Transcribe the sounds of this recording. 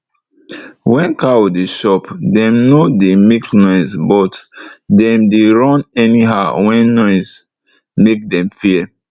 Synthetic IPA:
wɛ̃nkawodeʃɔpdɛ̃mnodemeknɔɪsbɔtdɛ̃mdeɹɔ̃nɛniɦawɛ̃nːɔɪs | mek̚dɛ̃mfiɛ

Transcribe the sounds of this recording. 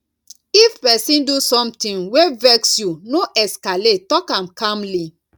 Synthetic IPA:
ifpɛsĩndusɔ̃mtĩnwevɛksjunoʔɛskaletɔkãmkãmli

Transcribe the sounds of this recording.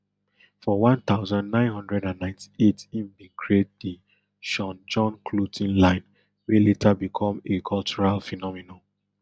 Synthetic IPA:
fɔwãnt̪aʊzãndnãɪ̃nhɔ̃ndɹɛdãnːãɪ̃ntʰi̥etĩmbĩkʰɹetdi | ʃɔ̃nd͡ʒɔ̃nkʰlutʰĩnlãɪ̃n | weletʰabikʰɔ̃mekʰɔlt͡ʃuɹalfɛnɔmino

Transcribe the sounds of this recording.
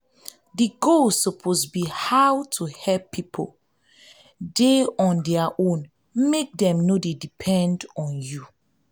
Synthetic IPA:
diɡolsɔpʰosbihawtʰuhɛlpʰːipʰo̰ | deɔ̃ndɛaʔõn | mek̚dɛ̃mnodedipʰɛ̃ndɔ̃nju

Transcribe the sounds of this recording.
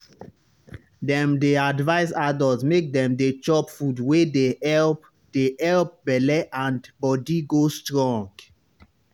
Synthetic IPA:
dɛ̃mdeadvaɪsadɔzmek̚dɛ̃mdet͡ʃɔpfudwedeɛlp | d̥eɛlp̚bɛlɛʔãndbɔdiɡostɹɔ̃ŋɡ

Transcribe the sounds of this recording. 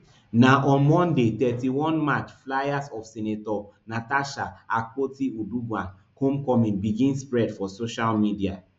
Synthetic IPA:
naʔɔ̃nmɔ̃ndetɛtiwɔ̃nmat͡ʃflajasɔfsɛnetɔnataʃaak̚potiudubwãn | kõmkɔmĩnbiɡĩnspɹɛdfɔsoʃalmidia

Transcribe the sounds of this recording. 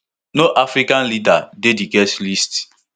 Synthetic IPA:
noʔafɾikanlidadediɡɛslist

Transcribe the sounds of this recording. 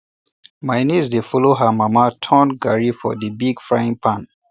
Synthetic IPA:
majnisdefɔloɦəmamatʰɔ̃nɡaɹifɔ̰dibiɡfɹaĩŋpʰãn

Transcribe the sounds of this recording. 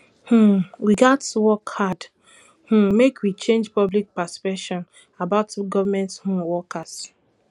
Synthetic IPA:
hũwiɡatwɔkʰːad | hũmekwit͡ʃẽnd͡ʒpɔblik̚paspɛkʃɔ̃n | abaʊtuɡɔvamɛ̃nthũwɔkas

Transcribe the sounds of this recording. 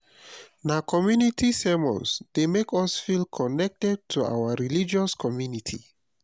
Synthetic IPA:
nakʰɔmjunitʰisɛmɔ̰̃nsd̥emekɔsfilkʰɔnɛk̚tɛd̚tʰua̰waɹilid͡ʒɔskʰɔmjunitʰḭ

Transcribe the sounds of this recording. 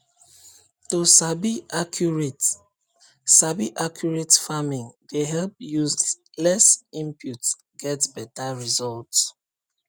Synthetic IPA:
tusabiakʰjuɹet | sabiʔakʰjuɹetfamĩŋdeɦɛlp̚juz | lɛsĩmpjuts | ɡ̥ɛtbɛtaɹizɔlts

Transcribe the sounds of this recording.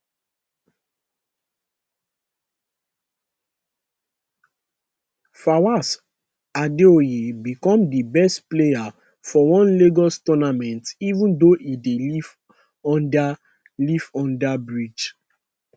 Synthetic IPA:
fawas | adeojebikɔ̃mdibɛstpleja | fɔwɔ̃nleɡɔstɔnamɛ̃ntivũndoʔideliv | ɔ̃nda | livɔ̃ndabɹid͡ʒ

